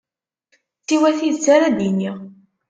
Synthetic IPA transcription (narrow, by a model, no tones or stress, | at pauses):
θiwæθiðt͡sːaɾæd̪iniʁ